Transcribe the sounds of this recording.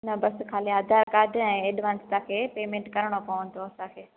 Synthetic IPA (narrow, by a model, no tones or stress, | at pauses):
nɐbɐskʰaːliaːd̪ʱaːɾkaːɾɖʱɛ̃ːeːɗʋãːnst̪ãkʰeːpeːmẽːɳʈkɐɾəɽ̃opɐʋə̃nt̪oɐsãkʰeː